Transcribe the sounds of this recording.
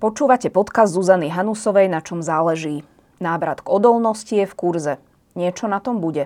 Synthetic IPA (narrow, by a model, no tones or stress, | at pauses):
pɔt͡ʃuːʋacɛpɔt̪kazd̪zuzaniɦanusɔʋɛjnat͡ʃɔmzaːlɛʒiː | naːʋɾat̪ɡɔd̪ɔlnɔscijɛfkuɾzɛ | ɲɪɛt͡ʃɔnat̪ɔmbuɟɛ